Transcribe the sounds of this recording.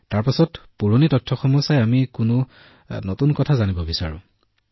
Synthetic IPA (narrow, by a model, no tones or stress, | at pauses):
taɹpasɔtpuɹonitɔtʰːɔxɔmɔsajamikʊnʊ | notunkɔtʰazanibɔbisa̰ɹʊ̰̃